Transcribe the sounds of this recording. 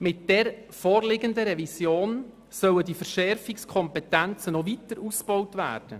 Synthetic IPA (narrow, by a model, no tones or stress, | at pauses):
mɪt̚d̥ɛɾ | fɔːɾlɪɡəndəɾɛvisjoːn | sœwədifəɾʃɛɾfikskʰɔmpɛtænt͡sənɔvitəɾusb̥ɔwtvæ̰ːrd̥ə